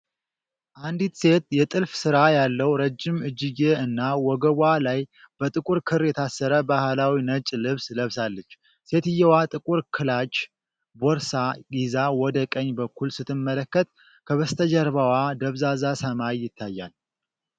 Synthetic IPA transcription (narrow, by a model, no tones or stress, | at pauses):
ʔand̪it̪se̞t̪jɛt̪ʼɨlfsɨɾajalːəwɾəd͡ʒːɪmɨd͡ʒːɪɡeɨnːawɔɡəβʷalaj | b̥ət̪ʼɨkʼuɾkʰɨɾjɛt̪ʰasːəɾəbahlawinət͡ʃʼlɨβsləβsalːət͡ʃː | se̞t̪ɨjːɛwat̪ʼɨkʼuɾkʰɨlat͡ʃ | bɔɾsaɡizawɔd̪əkʼəɲːbəkʰːulsɨt̪ʰːɨmːələkːət̪̚ | kʰəβəst̪ʰəd͡ʒəɾβawad̪əβzazasəmaːɪt̪ʰːajːa̰l